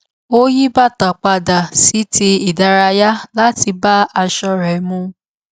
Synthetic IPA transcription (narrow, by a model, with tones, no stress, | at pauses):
o˦ji˦ba˦˨ta˨k͡pa˧da˨si˨˦te˧i˨da˨˧ɾa˧ja˦la˦ti˧ba˦a˧ʃɔ˧ɾɛ˨˦mũ˧